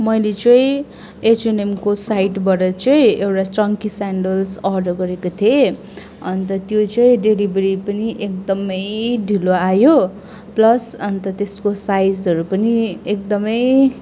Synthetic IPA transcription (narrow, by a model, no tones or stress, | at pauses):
mʌjlet͡sʌĩ | et͡senemkosajʈbʌɾʌt͡sʌĩewʈat͡sʌŋkisaɳɖʌlsʌrɖʌrɡʌɾekot̪ʰie | ʌnt̪ʌt̪jot͡sʌĩɖelibɾipʌniʔek̚d̪ʌmʌjɖʱiloajo | plʌsʌnt̪ʌt̪eskosajd͡zʌɾupʌniek̚d̪ʌmʌj